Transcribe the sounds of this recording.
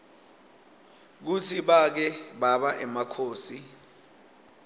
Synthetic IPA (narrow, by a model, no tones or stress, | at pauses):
k̬ut͡sʰiɓak̬ɛɓaɓaʔɛmakʰoːsi